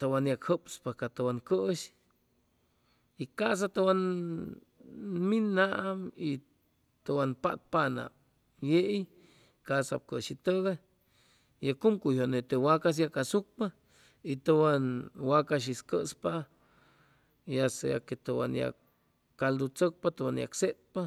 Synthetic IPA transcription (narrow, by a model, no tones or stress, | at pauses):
t̪əwanjakhəpspakat̪əwankəʔʃ | ikas̬at̪əwan | minaʔmi | t̪əwanpa̰ʔt̪̚pana̰ | jeʔj | kasa̰p̚kəʃit̪əɣa | jakumkuhonet̪ewakas̬jakasuk̚pa | it̪owanwakaʃ̬iskəspa | jasja̰ket̪owa̰nja̰ | kald̪ut͡sək̚pat̪owanja̰kset̪̚pa